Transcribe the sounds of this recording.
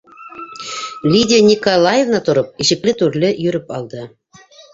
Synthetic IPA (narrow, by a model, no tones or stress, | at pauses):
lʲidʲnʲikolˠɑjevnɑt̪ŏɾɤp̚iʑɘ̆klʲɘt̪yrlʲɘ̆jyɾɘpɑlˠd̪ɤ̆